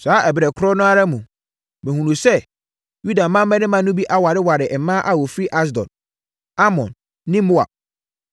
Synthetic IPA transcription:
saː˨˦ʔɛ˨bɪ˨ɾɛ˨kʰʊ˦ɾɔ˦nʊ̃˦a˦ɾa˦mũ˨ | mɪ̃˨hũ˨nũ˨sɛ˦ | ju˦da˨mã˦m˦mɛ̃˦nɪ̃˦mã˨˦nʊ̃˦bi˦ʔa˦wa˨ɾɪ˦wa˨ɾɪ˨ʔɛ˨˦mã˦ʔa˨wɔ˨fɾi˦ʔa˦s̬dɔ̰̃˨n | a˦mɔ̰̃˨nː | ɪ̃˦mʊ˦a̰˨

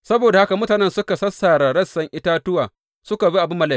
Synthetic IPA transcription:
sɐ˦boː˨da˨ha˦ka˨mʊ˦taː˨nɛ˦nsʊ˦ka˨sɐ˦saː˨ɾa˨ɽɐ˦sɐ˨ŋʔɪ˦taː˦tʊ˦waː˨ | sʊ˦ka˨bi˦ʔa˨bʊ˦mːɐ˨laː˦˨˦

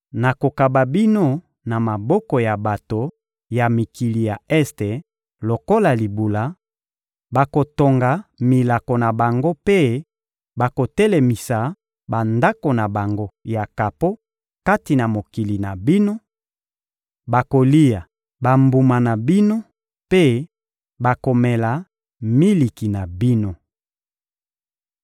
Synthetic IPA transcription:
na˨ko˨ka˨ba˨bi˦no˦ | na˨ma˨bɔ˦kɔ˨ja˨ba˨to˨ | ja˨mi˨ki˨li˨ja˨ɛ˦ste˨ | lo˨ko˦la˨li˨bu˨la˦ | ba˨ko˨to˨ŋɡa˨mi˨la˨ko˨na˨ba˨ŋɡo˦pe˦ | ba˨ko˨tɛ˦le˨mi˨sa˨ | ba˨nda˦ko˨na˨ba˨ŋɡo˦ja˨ka˨po˦ | ka˦ti˨na˨mo˨ki˨li˨na˨bi˦no˦ | ba˨ko˨li˦ja˨ | ba˨mbu˨ma˨na˨bi˦no˦ | pe˦ | ba˨ko˨mɛ˨la˨ | mi˦li˨ki˨na˨bi˦no˦

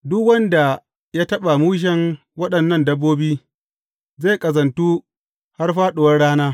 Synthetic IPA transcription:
dʊ˦kwɐ˦nda˨ | ja˦tɐ˦ɓa˨muː˦ʃ̬ɛ˦ŋ | wɐ˦ɗɐ˨nːɐ˦˨ndɐ˦bːoː˦biː˦ | ze˦˨kʼɐ˨zɐ˨ntuː˦ | ha˦rɸaː˦ɗʊ˨wɐ˦rɽaː˦naː˦

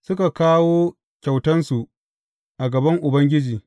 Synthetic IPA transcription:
sʊ˦ka˨kaː˦woː˦ | kʲa˨wtɐ˦nsu˨ʔ | ʔa˨ɡɐ˨bɐ˦ŋʔʊ˨bɐ˦ŋɡʲɪ˦d͡ʒiː˨

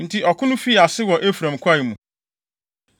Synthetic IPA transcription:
n̩˦tʰi˦ʔɔ˨kʰʊ˦nʊ̃˦fi˦˨a˨sɪ˦wɔ˨ʔe˦fɾã˨m˨kʷʰa˦jɪ˨mũ˨

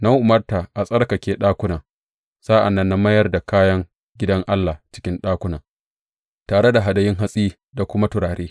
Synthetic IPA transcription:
na˦ŋʔʊ˨mɐ˦rta˨ʔa˨sʼɐ˦rkɐ˨kʲeː˦ɗaː˦kʷʊ˦naː˨ | saː˦ʔa̰˨nːɐ˦nːa˦mɐ˦jɐ˦rda˨kaː˦jɐ˦ŋ | ɡʲɪ˦dɐ˦ŋʔa˦lːa˨t͡ʃɪ̥˦kʲɪ˦nɗaː˦kʷʊ˦naː˨ | taː˨ɽe˦da˨ɦa˨dɐ˨jɪ˦ŋɦa˦sʼiː˦ | da˨kʷʊ˦ma˦tʊ˨ɽaː˨ɾeː˦

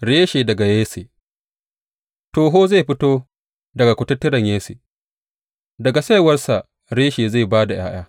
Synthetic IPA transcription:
ɽeː˦ʃeː˨dɐ˨ɡa˨jeː˦se˨ | toː˨ɦoː˦za˦˨ɸɪ˦toː˦ | dɐ˨ɡa˨kʷʊ˨˦tʊ˦tːɪ˦ɾɐ˨ɲjeː˦sḛ˨ | dɐ˨ɡa˨sa˦jwɐ˦rsa˨ | ɽeː˦ʃeː˨za˦˨baː˦da˨j̰a̰ː˦j̰aː˦

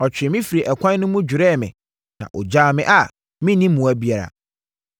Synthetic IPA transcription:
ɔ˨t͡ɕʰᶣɪ˨ɛ˨mĩ˦fi˨ɾi˨ʔɛ˨kʷʰã˦n˦nʊ̃˦mʊ̃˦d͡ʑᶣʊ˨ɾɛː˦˨mɪ̰̃˨ | nã̰˨ʔɔ˨d͡ʑaː˦mɪ̰̃˦ʔa˨ | mɪ̃˦nĩ˦mmũ˨æ˦bi˦a˨ɾa̰˨

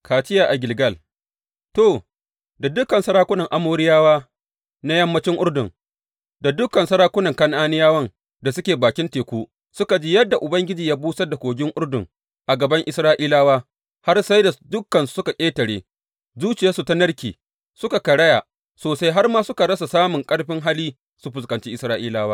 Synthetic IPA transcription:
kaː˨t͡ʃɪ˦jaː˨ʔa˨ɡʲɪ˨lɡɐ˦l | to˨ | da˨dʊ˦kːɐ˨nsɐ˦ɾaː˦kʷʊ˦nɐ˨ŋʔa˦moː˦ɾɪ˦jaː˦waː˦ | na˦jɐ˦mːɐ˦t͡ʃɪ˦ŋʔʊ˦rdʊ˨ŋ | da˨dʊ˦kːɐ˨nsɐ˦ɾaː˦kʷʊ˦nɐ˨ŋkɐ˦nʔaː˦nɪ˦jaː˦wɐ˦ŋ | da˨sʊ˦kʲeː˨baː˨kʲɪ˦nteː˨kʷuː˦ | sʊ˦ka˨d͡ʒiː˦jɐ˦dːa˨ʔʊ˨bɐ˦ŋɡʲɪ˦d͡ʒiː˨jaː˦buː˦sɐ˦da˨kʷoː˨ɡʲɪ˦ŋʔʊ˦rdʊ˨ŋ | ʔa˨ɡɐ˨bɐ˦ŋʔɪ˦sɾaː˦ʔiː˦laː˦waː˦ | ha˦rsa˦jda˨dʊ˦kːɐ˨n˦sʊ˦ka˨kʲʼeː˦tɐ˨ɽeː˦ | zuː˦t͡ʃɪ˨jaː˦su˨ta˦nɐ˦rkʲiː˨ | sʊ˦ka˨kɐ˨ɽɐ˦jaː˨ | soː˨sa˦jɦa˦rmaː˦sʊ˦ka˨ɽɐ˦sa˨saː˦mʊ˨ŋkʼɐ˦ɽɸɪ˦ŋɦa˦liː˦ | su˦ɸʊ˨skɐ˨nt͡ʃi˦ʔɪ˨˦sɾaː˦ʔiː˦laː˦waː˦

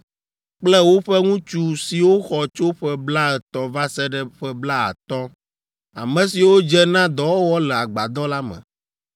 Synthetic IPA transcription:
k͡plɛ˦wo˦ɸɛ˦ŋũ˦t͡ʃu˦si˨wo˦xɔ˨t͡ʃo˦ɸɛ˦bla˦ɛ˨t̪ɔ̃˨va˦sɛ˦ɖɛ˦ɸɛ˦bla˦a̰˨t̪ɔ˦ | a̰˨mɛ̃˨si˨wo˦d͡ʒɛ˦nã˦d̪ɔ˨wo˦wɔ˦lɛ˨a˨ɡ͡ba˨d̪ɔ˦la˦mɛ̰̃˨

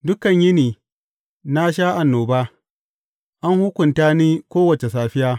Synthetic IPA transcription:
dʊ˦kɐ˨ɲjɪ˦niː˨ | na˦ʃaː˦ʔa˨nːoː˨baː˦ | ʔa˦ŋhʊ˦kʷʊ˨ntaː˦niː˦kʷoː˦wɐ˨t͡ʃe˨saː˨ɸɪ˦jaː˦

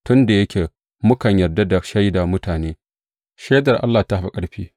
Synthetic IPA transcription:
tʊ˦nda˨jɐ˦kʲʰeː˨ | mʊ˦kɐ˨ɲjɐ˨rda˦da˨ʃa˦jda˨mʊ˦taː˨neː˦ | ʃa˦dɐ˨rʔa̰˦lːaː˨ta˦ɸa˦kʼɐ˦ɽɸiː˦

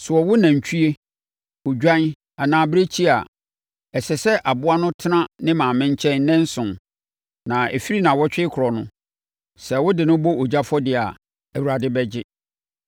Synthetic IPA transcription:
sʊ˨ɔ˨wʊ˦nã˨ɲ̩˨t͡ɕᶣʰu˦e˦ | ʊ˨d͡ʑᶣã˦n˦ | a˨nãː˨bɪ˦ɾe˦t͡ɕʰi˦a˨ | ɛ˨sɛ˨sɛ˦ʔa˨bʊ˦a˦nʊ̃˦tʰɪ˦nã˦nɪ̃˦mã˨mɪ̃˦ɲ˦t͡ɕʰɛ̃˦nnɛ̃˦n̩˦sʊ̃˨n | nã˨ḛ˨fi˦ɾi˦nã˨wɔ˦t͡ɕᶣɪ˦ɪ˦kʰʊ˨ɾɔ˨nʊ̃˦ | sɛ˨wʊ˦dɪ˨nʊ̃˦bo˦o˨d͡ʑa˦fɔ˦dɪ˦˨a̰˨ | æ˨wu˨ɾa˨dɪ˦bɛ˦d͡ʑɪ˦

